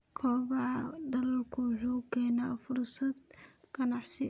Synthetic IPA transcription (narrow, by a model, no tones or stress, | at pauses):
kʰɔːβaːɖɐlɐlkʰʊwʊħuːkʰɛːnaːfʊrsɐd̪kʰɐnɑħsɪ